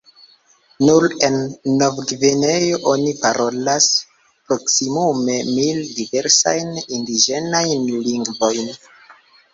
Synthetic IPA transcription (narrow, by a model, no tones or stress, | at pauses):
nuɾenːovɡvenejo̞ʔo̞nipaɾʔo̞las | pɾo̞ksimume̞mildive̞ɾsa̰jnindid͡ʒe̞najnliŋɡvo̞jn